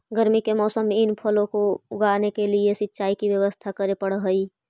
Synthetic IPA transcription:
ɡəɾmikemɔːsəmːẽɪnpʰɐlõkoʊɡaːnekeliesɪtːʃaːikiʋjəʋəst̪ʰakɐɾepɐɽɦɐiː

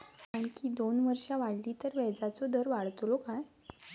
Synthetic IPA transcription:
aɳkiːd̪onʋəɾʂaʋaɽlit̪əɾʋɛd͡zat͡sɔd̪əɾʋaɭt̪lokaj

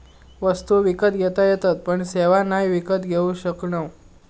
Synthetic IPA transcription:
ʋəst̪uʋikət̪ɡʱɛt̪ajet̪at̪̚pəɳseʋanajʋikət̪ɡʱeũɕəkɳəʋ

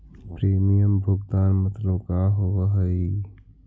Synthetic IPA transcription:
pɾeːmijəmbʱʊɡd̪aːnmət̪ləbkaɦoʋəɦəji

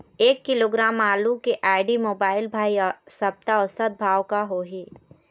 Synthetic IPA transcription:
eːkːɪloːɡɾaːmaːlukeʔaːɪɖimoːbaːɪlbʱaːiɔsɐb̚t̪aɔːɾsɐt̪̚bʱaːwkaɦoːɦeː

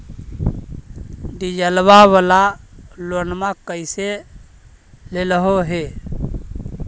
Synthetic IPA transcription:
ɖ̪id͡ʒəlβaβalalonmakəɪse | leləɦoɦe

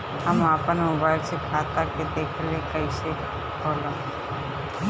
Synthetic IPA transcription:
həmaːpənmobaːɪlsekʰaːt̪aked̪eːkʰlekəiʃe | oːlã

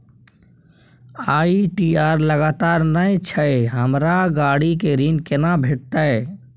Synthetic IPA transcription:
aːiʈiːaːɾləɡaːt̪aːɾnəet͡ʃʰəeɦəmɾaɡaːɽikeɾiːnkɪnabʱeːʈt̪aɛ

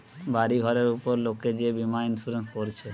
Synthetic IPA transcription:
baɾiɡʱɔɾeɾupoɾlokːed͡ʑebimainsuɾenskoɾt͡ɕʰe

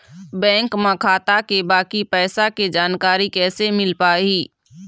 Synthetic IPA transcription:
bɛ̃ːŋkmãkʰaːt̪akebaːkipɛːsaked͡ʒaːnkaːɾikɛːsemɪlpaːiː

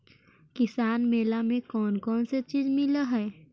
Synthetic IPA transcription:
kɪsaːnmeːlamẽkɔːnkɔːnset͡ʃiːzmɪlaɦɛː

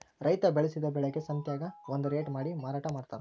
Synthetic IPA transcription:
ɾɐjt̪ɐbɛɭesid̪ɐbɛɭeɡe̞sɐnt̪jaːɡɐʋond̪uɾeːʈmaːɽimaːɾaːʈɐmaːɽt̪aːɾ

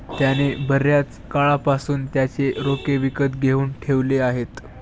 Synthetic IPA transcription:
t̪janebəɾjat͡s | kaɭapasuːnt̪jat͡seɾokeʋikət̪ɡʱeuːnʈʰeʋleaɦet̪

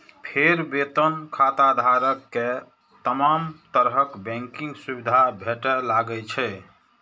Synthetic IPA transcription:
pʰeɾbet̪ənkʰat̪ad̪ʱaɾəkːe | t̪əmamt̪əɾɦəkbɛ̃ŋkĩŋɡsubid̪ʱabʱeʈɛlaɡɛlt͡ʃʰɛ

